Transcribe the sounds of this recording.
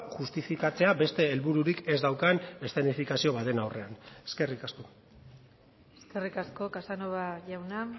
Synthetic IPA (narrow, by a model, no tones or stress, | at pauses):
ʝust̪ifikat͡se̞abe̞st̪e̞ːlβuɾuɾike̞zd̪awkane̞st̪enifikasio̞βaðe̞nawre̞ane̥ske̞rikasko | eske̞rikasko̞kasanoβaʝawna